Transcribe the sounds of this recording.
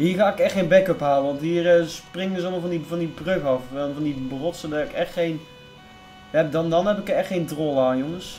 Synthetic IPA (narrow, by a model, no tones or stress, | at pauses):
ɦiːχaːɪkɛxtχejnbɛkəpɦaːləʋɑntɦiːrsprɪŋdəsɔlˠmɔlˠvɑndivɑndibrøɣɑfɛvɑndibrɔtsədaɪkɛxtχejn | ɛp̚dɑndɑnɦɛpɪkəɛxtχejntrolˠaːnjoŋəs